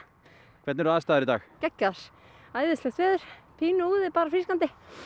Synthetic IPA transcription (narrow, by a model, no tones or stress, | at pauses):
kʰvɛɾt̪nɛɾaːðst̪aːðɪɾit̪a̰ːxcɛcːaðaɾ̥ | aːjðɪst̪lɛxt̪vɛːðʏɾ̥pʰiːnʏuːðɪpaːɾafliskant̪ɪ